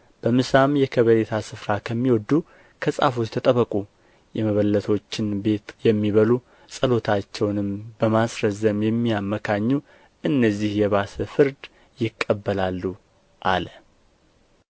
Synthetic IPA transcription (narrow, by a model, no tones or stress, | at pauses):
b̥əmɨsamjɛkʰəβəlet̪ʰasɨfɾakʰəmːiwɔd̪ːu | kʰəsʼa̰fot͡ʃt̪ʰət̪ʼəβəkʼu | jɛməβəlːət̪ʰo̞t͡ʃːɪnbe̞t̪jɛmːiβəlu | sʼəlo̞t̪ʰat͡ʃːɛwnɨmbəmasɾəzːəmjɛmːijamːəkʰaɲːu | ʔɨnːəzːihjɛβasəfɨɾd̪ | jɪkʼːəbːəlalːu | ʔalə